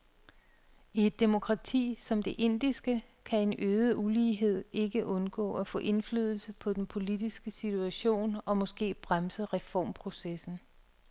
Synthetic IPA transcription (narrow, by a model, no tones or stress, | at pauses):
ie̝d̥ːe̝mo̝kʰʁɑ̈t͡sʰḭːsɒ̽md̥e̝ʔe̝n̰d̥isɡ̥ə | kʰæe̝nøːðˠəʔuliːɦe̝ð̞̰ˠe̝ɡ̥əʔɔ̽nɡ̥ɔ̰̽ːæfɔ̰̽ːʔe̝nflyːð̞ˠl̩səpʰɒ̽d̥enpʰo̝lid̥isɡ̥əsit͡sʰuæɕo̝̰ːnɒ̽mɒ̽sɡ̥e̝̰ːb̥ʁamsəʁɛfɒ̰ːmpʰʁo̝sesn̩